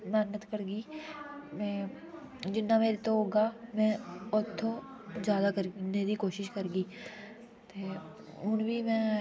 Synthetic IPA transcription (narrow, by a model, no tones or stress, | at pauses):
mɛːnət̪kəɾɡiːmɛ̃ː | d͡ʒɪnːameːɾet̪oɦoːɡaːmɛ̃ːɔt̪ʰːo | zjaːd̪aːkəɾned̪iːkoːʃɪʃkəɾɡiː | t̪eː | ʊnbʱiːmɛ̃ː